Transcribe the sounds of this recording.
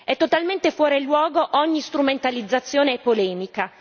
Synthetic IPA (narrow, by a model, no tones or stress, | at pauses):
ɛt̪ːot̪alment̪efwɔːɾelːwɔːɡoʔɔɲːist̪ɾument̪alid̪zːat̪sːjoːneɛpːolɛːmika